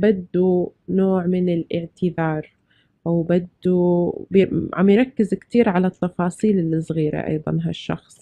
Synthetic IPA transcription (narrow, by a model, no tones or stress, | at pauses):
bad̪ːunoːʕmɪnɪlʔɪʕt̪ɪðɑːɾˤ | ʔawbad̪ːubʕa̰mjɪɾˤɑkːɪzkt̪iːɾʕalat̪ːɑfɑːsˤiːlɪlːɪsˤɣiːɾa̰ʔɑ̰jðˤɑ̰nɦa̰ʃːɑ̰xsˤ